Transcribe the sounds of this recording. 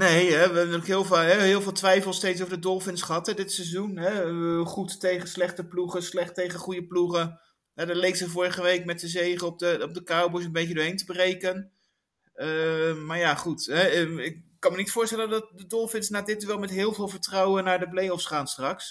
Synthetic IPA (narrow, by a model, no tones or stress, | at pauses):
nejɦɛʋəɛbəntyːlkɦɪːlˠvaɦɛɦɪːlˠvɪːlˠtʋɛjfəlˠstejts̬owvəɹdədɔlˠfɪnsχəɦɑtɛdɪtsɛzunɦɛχuttejχənslɛχtəpluχəslɛχtejχəχujəpluχə | jɛdɑtlejkz̥əvʊːɹəχəʋejkmɛtəzejχəɔp̚dəɔp̚dəkawbɔs̬ənbejkədʊːɹɦejntəbərejkən | əmaːɹjaːχutɦɛɪkkːɑnmənitfʊːɹstɛləndɑt̚dədɔlˠfɪnsnaːdɪt̚dyʋɛlˠmɛtɦɪːlˠvɪːlˠvəɹtrɔwənaːɹdəplejɔfsχaːnstrɑks